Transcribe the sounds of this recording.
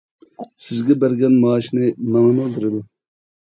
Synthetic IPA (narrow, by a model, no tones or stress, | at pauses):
sɪzɡʲɛbæɾɡʲɛnmɑːʃnɨmɑŋəmʊbeɾɪd̪u